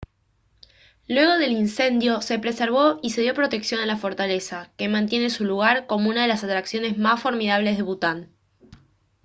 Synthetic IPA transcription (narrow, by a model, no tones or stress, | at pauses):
lwe̞ɣo̞ð̞e̞linse̞nd̪jo̞se̞pɾe̞se̞ɾβo̞ʔise̞ð̞jo̞pɾo̞t̪e̞ksjo̞nalafo̞ɾt̪ale̞sake̞mãnt̪je̞ne̞suluɣ̞aɾko̞mo̞unaðe̞lasat̪ɾaksjo̞ne̞zmasfo̞ɾmiðaβ̞le̞zð̞e̞βut̪an